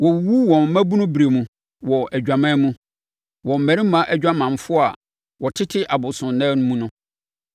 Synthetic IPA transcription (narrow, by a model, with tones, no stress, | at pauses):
wɔ˨˦wu˦wɔ̃˨m̩˦mæ̃˦bu˦nʊ̃˦bɾe˨mũ˨ | wɔ˨ʔæ˨d͡ʑᶣa˨mã˦mũ˦ | wɔ˨m̩˨mæ̃˨ɾi˦mã˦ʔæ˦d͡ʑᶣa˦mã˨m˨fʊ˦a̰˨ | wɔ˨tʰɪ˦tʰɪ˦ʔa˨bʊ˨sʊ̃˨nɛ̃˦nʊ̃˦mũ˦nʊ̃˦